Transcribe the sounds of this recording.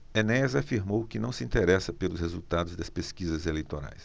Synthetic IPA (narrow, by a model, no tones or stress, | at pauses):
enɛzafiɾmowkɪnɐ̃w̃sɪĩnt̪eɾɛsɐpelʊshezuwt̪ad̪ʊzd̪ɐspeskizɐzelejt̪oɾa̰js